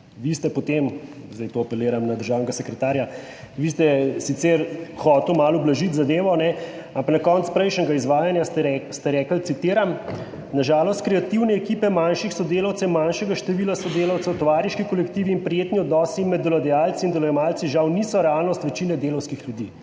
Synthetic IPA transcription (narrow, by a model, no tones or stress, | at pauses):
ʋist̪ɛpɔt̪em | zd̪ɛjt̪oapɛleːɾamnad̪əɾʒaːwnɛɡasɛkɾɛt̪aːɾja | ʋist̪ɛsit̪sɛɾxɔːt̪ɛlmaːlublaʒit̪zad̪eːʋɔnɛ | ampaknakɔnspɾɛjʃnɛɡaizʋaːjanjast̪ɛɛst̪ɛɾɛːkəlt̪sit̪eːɾam | naʒaːlɔst̪̚kɾɛat̪iwnɛːkiːpɛmanʃixsɔd̪eːlawt̪sɛimːanʃɛɡaʃt̪ɛʋilasɔd̪eːlawt̪sɛwt̪ɔʋaːɾjiʃkikɔlɛkt̪iʋiːnpɾijeːt̪niɔd̪nɔːsimɛd̪ːɔlad̪ɛjaːlt̪siːnd̪ɛlɔjɛmalt̪siʒawnisɔɾɛalnɔst̪ʋɛt͡ʃinɛd̪eːlɐwskixljud̪i